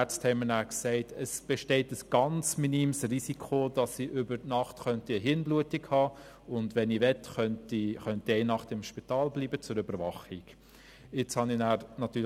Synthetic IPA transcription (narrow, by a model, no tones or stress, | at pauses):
æt͡sthɛɪmənæːksɛɪtʰəsb̥ɛʃtɛɪtəsɡ̥ɑnt͡sminimsrisikʰodɑsːiʔʏbəɾtnɑχtχœntiəɦɪnbluətikhɑː | ʊndʋɛniʋɛtχœntiχœntiɛɪnɑχtɪmʃpitɑːlbliːbət͡sʊɾʏbəɾvɑχiɡ̥ | ɪt͡shɑninæːɾnɑt̪ːyː